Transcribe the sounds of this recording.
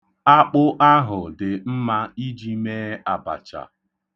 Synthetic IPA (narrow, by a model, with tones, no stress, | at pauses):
a˦k͡pʊ˦ʔa˦ɦʊ˨dɪ˨m̩˦ma˦i˦d͡ʒi˦meː˦a˨ba̰˨t͡ʃa̰˨